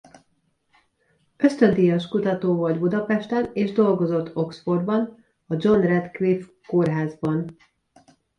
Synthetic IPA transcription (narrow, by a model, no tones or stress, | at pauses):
ø̞st̪ø̞nt̪ijɒʃkut̪ɒt̪oːvoɒɟbud̪ɒpɛʃt̪ɛneːʒd̪o̞lɡo̞zo̞t̪ʰːo̞ksfo̞rbɒn | ɒd͡ʒo̞nrɛt̪kʋif | ko̞rɦaːzbɒn